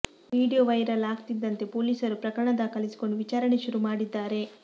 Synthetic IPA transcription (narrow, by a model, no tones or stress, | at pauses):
ʋiːɖijoːʋɐjɾɐlaːɡt̪id̪ːɐnt̪e̞poːlisɐɾupɾɐkɐɾɐɳɐd̪akɐlisi̥ko̞ɳɖuʋit͡ʃaːɾɐɳe̞ʃuɾumaːɽid̪ːaːɾe̞